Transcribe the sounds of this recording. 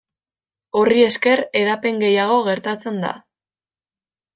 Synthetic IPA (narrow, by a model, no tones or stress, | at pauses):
o̞rie̞ske̞ɾe̞ðape̞ŋɡe̞jaɣ̞o̞ɣe̞ɾt̪at͡se̞nd̪a̰